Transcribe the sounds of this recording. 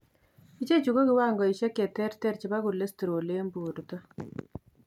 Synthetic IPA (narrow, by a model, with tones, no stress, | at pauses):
i˦t͡ʃe˦t͡ʃu˨ko˦kɪ˦wa˦˨ŋɡɔ˨i˨ʃɛ˦kɛ˨tɛ˦ɾtɛ˦ɾt͡ʃi˦ba˦ku˨le˦sti˨ɾo˨le˦mbu˨ɾtɔ˦